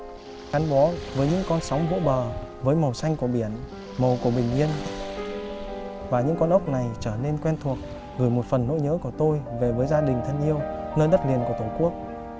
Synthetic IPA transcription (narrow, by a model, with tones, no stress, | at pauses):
xaː˨˦nɓɔ˨˦vəː˨˦jɲɨ̰˧˥ŋkɔ˧nsɔ˨˦wŋ͡mvo̰˧˥ɓəː˨˩vəː˨˦jmə˨˩wsa˧jŋ̟ku˧˩əɓi˧˩ən | mə˨˩wku˧˩əɓï˨˩ŋ̟ɲi˧ən | vaː˨˩ɲɨ̰˧˥ŋkɔ˧nʔə˦˥wk͡p̚na˨˩jt͡ɕəː˧˩ne˧nkwɛ˧nt̪ʰu˨˩ək̚ | ɣɨ˧˩jmo˨˩t̚fə˨˩nːo̰˧˥ɲə̰ː˧˥ku˧˩ət̪o˧jve˨˩vəː˨˦jzaː˧ɗï˨˩ŋt̪ʰə˧ŋʔi˧əwnəː˧jɗə˦˥t̚li˨˩ənku˧˩ət̪o˧˩ku˦˥ək̚